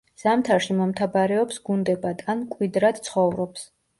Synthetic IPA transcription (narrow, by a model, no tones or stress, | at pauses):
z̥amt̪ʰaɾʃimɔmt̪ʰabaɾɛɔpsɡund̪ɛbad̪ankʼwid̪ɾad̪̥t̪sʰχɔvɾɔps